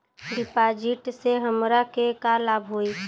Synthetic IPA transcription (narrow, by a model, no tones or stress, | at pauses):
ɾipad͡ʒiʈseɦəmɾakekalabʱɦoi